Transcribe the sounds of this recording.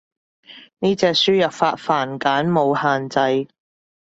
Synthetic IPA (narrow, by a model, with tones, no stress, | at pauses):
niː˥t͡sɛː˧k̚syː˥jɐ˨p̚faː˧t̚faː˨˩nkaː˨˥nmo˨˧whaː˨nt͡sɐ˧j